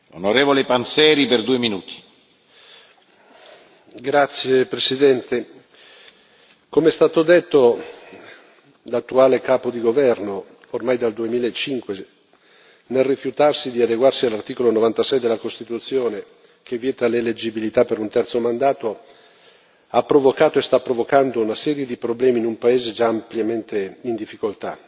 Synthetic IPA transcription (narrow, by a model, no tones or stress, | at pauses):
onoɾeːvolepansɛːɾiperd̪uːeminuːt̪ʰi̥ | ɡɾat̪sːjepɾesid̪ɛnt̪e | komeɛst̪aːt̪od̪et̪ːo | lat̪ːuaːlekaːpod̪iɡovɛrno | ormajd̪ald̪uemiːlaet͡ʃːiŋkwe | nelrifjut̪arsid̪iad̪eɡwarsialːart̪iːkolonovant̪asɛjd̪elːakost̪it̪ut̪sːjoːne | kevːjɛːt̪aleled͡ʒibilit̪apːeɾunt̪ɛrt̪somand̪aːt̪o | apːɾovokaːt̪oest̪apːɾovokand̪ounasɛːɾjed̪ipɾoblɛːminumpaeːzed͡ʒaːmpljament̪eind̪ifːikolt̪a